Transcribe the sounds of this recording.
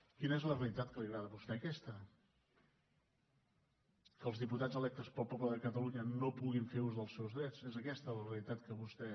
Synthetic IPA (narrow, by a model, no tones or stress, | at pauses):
kinəezləreəlit̪at̪kəliəɣɾaðəβust̪ɛəkɛst̪ə | kəlˠzðiput̪ad͡zəlɛk̚t̪əspɔlˠpɔβləðəkət̪əluɲənopuɣiɱfeɾuzðəlˠsɛwzðɾɛt͡sezəkɛst̪ələreəlit̪at̪kəβust̪ɛ